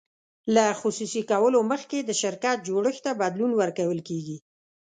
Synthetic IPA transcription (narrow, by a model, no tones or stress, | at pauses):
laxususikawəloməxked̪əʃɪɾkat̪̚d͡ʒoɽəxt̪abad̪lunwəɾkawəlkeɡi